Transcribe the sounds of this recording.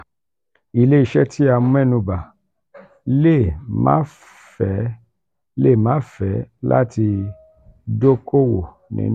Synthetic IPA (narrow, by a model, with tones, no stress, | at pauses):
i˦˨le˦i˦˨ʃɛ˦tʰi˦a˧mũ˦ɛ˦˨nũ˧ba˨ | le˦˨mã̰˦ | fɛ˨˦ | le˦˨mãː˨˦fɛ˨˦la̰˦ti˧ | do˦ko˦wo̰˨ | nḭ̃˧˦